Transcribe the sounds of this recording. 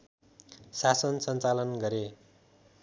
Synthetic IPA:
sasʌnsʌnt͡salʌnɡʌɾe

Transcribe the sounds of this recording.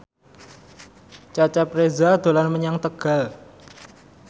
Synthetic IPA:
t͡ʃat͡ʃapɾezad̪̥o̤lanməɲaŋt̪əɡ̥a̤l

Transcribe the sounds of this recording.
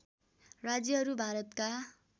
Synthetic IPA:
rad͡zjʌɦʌɾubʱaɾʌt̪ka

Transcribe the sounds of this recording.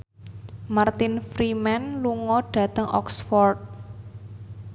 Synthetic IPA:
mart̪ɪnfɾimanluŋɔɖ̥ä̤t̪əŋʔɔ̰ksfɔrt̪̚

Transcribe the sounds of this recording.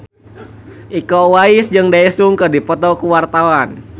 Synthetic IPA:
ʔikɔwaɪsd͡ʒɨŋdaisuŋkɨrdipɔt̪ɔkuwart̪awan

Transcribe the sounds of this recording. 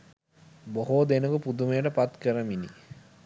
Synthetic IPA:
boɦoːd̪enukupud̪umejəʈəpat̪kəɾəminḭ

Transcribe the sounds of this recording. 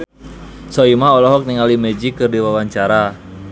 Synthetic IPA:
sɔimaɦɔlɔɦɔk̚niŋalimɛd͡ʒikɨrdiwawaɲt͡ʃaɾa

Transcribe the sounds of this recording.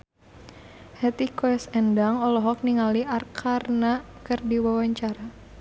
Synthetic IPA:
hɛt̪ikɔsɛndaŋɔlɔɦɔk̚niŋaliʔarkʰarnakɨrdiwawaɲt͡ʃaɾa

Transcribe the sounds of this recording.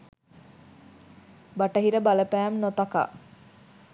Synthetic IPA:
baʈəɦiɾəbaləpæːmnot̪aka̰

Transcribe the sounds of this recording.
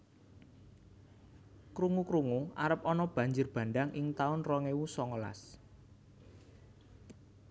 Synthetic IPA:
kɾuŋukɾuŋuaɾəp̚ɔnɔb̥ä̤ɲd͡ʒʊrb̥ä̤ndaŋʔɪŋt̪aʊnrɔŋewusɔŋəla̰s

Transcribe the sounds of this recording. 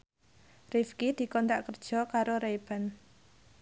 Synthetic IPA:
rifkid̪̥i̤kɔnt̪aʔkərd̥ʒ̥ɔ̤kaɾoɾejb̥a̤n

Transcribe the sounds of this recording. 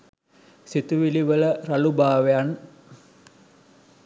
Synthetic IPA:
sit̪uʋiliʋələɾalubaːʋejan

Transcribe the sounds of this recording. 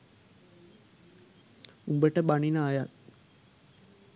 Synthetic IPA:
umbəʈəbaninaːjat̪̚

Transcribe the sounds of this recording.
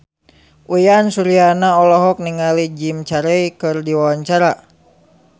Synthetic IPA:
ʔujansuɾianaɔlɔɦɔk̚niŋalid͡ʒimt͡ʃaɾɛikɨrdiwawaɲt͡ʃaɾa

